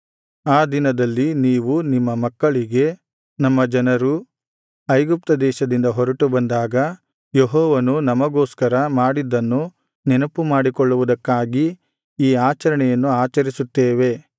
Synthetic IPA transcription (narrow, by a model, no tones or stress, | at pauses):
aːd̪inɐd̪ɐlːiniːʋunimːɐmɐkːɐɭiɡe̞ | nɐmːɐd͡ʒɐnɐɾu | ɐjɡup̚t̪ɐd̪ɛːʃɐd̪ind̪ɐɦɔɾɐʈubɐnd̪aːɡɐ | jeɦɔːʋɐnunɐmɐɡoːskɐɾɐmaːɽid̪ːɐnːu | nɛnɐpːumaːɽikɔɭːuʋud̪ɐkːaːɡi | iːaːt͡ʃɐɾɐɳɛjɐnːuaːt͡ʃɐɾisut̪ːeːʋe̞